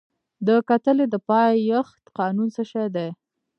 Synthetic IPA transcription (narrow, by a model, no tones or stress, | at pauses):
d̪əkat̪əled̪əpɑjjəxt̪qɑnunsəʃajd̪aj